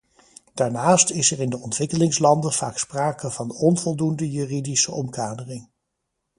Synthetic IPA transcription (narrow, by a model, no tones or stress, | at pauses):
d̥aːɹnaːstɪsɛrɪndəɔntʋɪkəlɪŋslɑndəv̥a̰ːkspraːkəvɑnɔnvɔlˠdundəjyːridisəɔmkaːdərɪŋ